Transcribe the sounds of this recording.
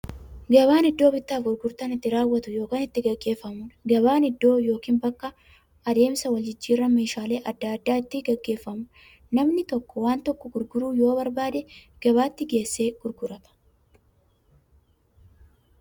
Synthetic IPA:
ɡɐβaːnɪd̪ːo̞ːbɪt̪ːaːfɡʊɾɡʊɾt̪ɐnɪt̪ːɪɾaːwːɐt̪ʊjo̞ːkaːnɪt̪ːɪɡɐɡːe̞ːfːɐmʊnɡɐbaːnɪd̪ːo̞ːjo̞ːkiːnbɐkːɐː | d̪e̞ːmsɐwɐld͡ʒɪd͡ʒːiːrːɐmeːʃaːle̞ːʔɐd̪ːaːd̪ːaːɪt̪ːɪɡɐɡːe̞ːfːɐmʊ | nɐmnɪt̪ɔkːɔwaːnt̪ɔkːɔɡʊɾɡʊɾuːjo̞ːbɐɾbaːd̪ɛ | ɡ̥ɐβaːt̪ːɪɡe̞ːsːe̞ːɡ̥ʊɾɡʊɾɐt̪ɐ̥

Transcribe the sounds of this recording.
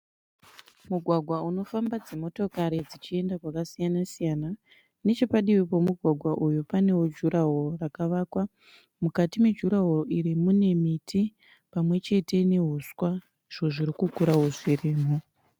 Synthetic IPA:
muɡʱwaɡʱwauno̞fambad͡zemo̞to̞kaɾid͡zit͡ʃie̞ndakwakasijanasijana | ne̞t͡ʃepaɗiwipo̞muɡʱwaɡʱwaʔujupane̞wod͡ʒuɾaɦo̞rakaʋaːkwa | mukatimwe̞d͡ʒuɾaɦo̞ʔiɾimune̞mitʰi | pamwe̞t͡ʃe̞te̞ne̞ɦuswa | ʐ̥o̞ʐiɾikukuɾaɦuziriːmu

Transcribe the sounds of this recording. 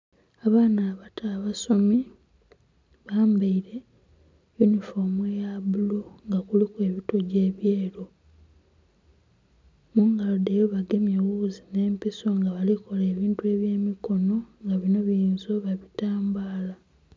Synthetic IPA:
aβaːnaːβatʰaβasomi | βaːmbaiɾe̞ | junifo̞mwejaβuloŋɡakulikwe̞ːβito̞ɟe̞ːβje̞ːɾo̞ | muŋɡalodejoβaɡe̞mjewuzine̞ːmpiso̞ŋɡaβaliko̞le̞ːβiːntue̞βje̞ːmiko̞no̞ŋɡaβino̞βinzoβaβitaːmbaːla

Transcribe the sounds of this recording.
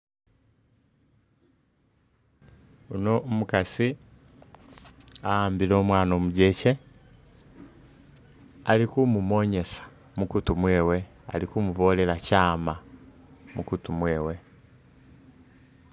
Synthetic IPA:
unomukasi | aaːmbilo̞ːmwaːnoːmuɟece̞ | alikumumo̞ːɲe̞sḁ | mukutumweːwe̞ | a̰likumuvoːle̞lacaːma | mukutumweːwe̞

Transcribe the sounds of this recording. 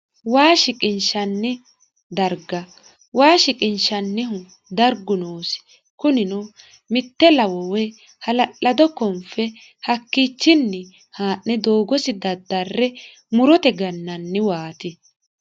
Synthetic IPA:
waːʃɪkʼɪnʃɐnːɪ | d̪ɐɾɡɐ | waːʃɪkʼɪnʃɐnːɪɦʊ | d̪ɐɾɡʊnoːsɪ̥ | kʊnɪnɔ | mɪt̪ːɛlɐwɔwɛ | hɐlɐʔɐd̪ɔkːɔmfɛ | hɐkːiːt͡ʃːɪnːɪ | haːʔːɛd̪oːɡɔsɪd̪ɐd̪ːɐrːɛ | mʊɾɔt̪ɛɡɐnːɐnːɪwaːt̪ɪ

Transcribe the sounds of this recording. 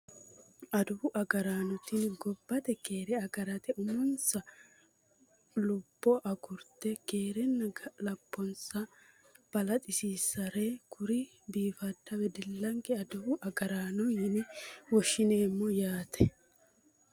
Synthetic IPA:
ɐd̪ʊwʊʔɐɡɐɾaːnɔt̪iːnɡɔbːɐt̪ɛke̞ːɾɛɐɡɐɾɐt̪ɛʔʊmʊnsɐ | lʊb̥ːɔʔɐɡʊɾt̪ɛke̞ːɾɛnːɐɐlɐpːɔnsɐ | b̥ɐlɐt̪ʼɪsiːsɐɾekʰʊɾɪ | biːfɐd̪ːɐwɛd̪ɪlːɐŋkɛɐd̪ʊwʊʔɐɡɐɾaːnɔjɪnɪwɔʃːɪne̞ːmːɔjaːt̪ʰɛ

